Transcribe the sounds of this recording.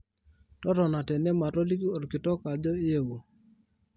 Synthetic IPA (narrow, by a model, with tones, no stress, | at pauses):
tɔ˦ɾɔ˨na˨tɛ˨nɛ˦ma˨ɾɔ˦li˦ki˦ɔ˨ɾkɪ˨tɔ˦ka˨d͡ʒɔ˦ɪ˦e˦wo˨